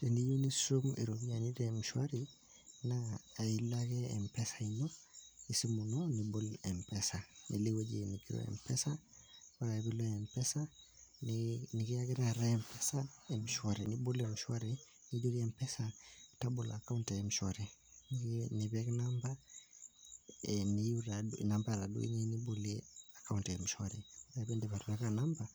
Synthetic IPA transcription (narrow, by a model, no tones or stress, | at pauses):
tendijonisumḭɾobijanitemʃwaɾi | naːilaɡeḛmpesḁinoisimunonibolempesanʔḭlewed͡ʒḭnikiɾo̰ḛmpesawaɾaebiloempesa | nnikijaɡiɾaɾaempesaɛm̩ʃwɔɾinibulɛm̩ʃwaɾi | nid͡ʒuɾiɛmpɛsatabulakauntɛɛm̩ʃɔɾinniβɛknamba | niuɾaunambaɾadṵḭɲɛnibuliakauntɛm̩ʃwaɾinaβɛndɛβaɾuwɛkanamba